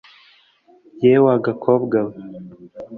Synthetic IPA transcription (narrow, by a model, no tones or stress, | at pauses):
jewaɡakʰobɡaβ